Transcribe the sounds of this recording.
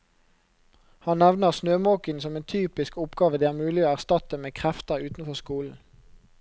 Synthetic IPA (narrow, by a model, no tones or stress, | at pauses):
hɑnnɛʋnəʁsnøːmɑːkənsɔmeːnt̪ʰyːpɪskʊpɡɑːʋəd̪iːæːʁmʉːlɪoːæʁst̪ɑt̪əmeːkʰʁɛft̪əʁʉːt̪n̩fɔʁskuːln̩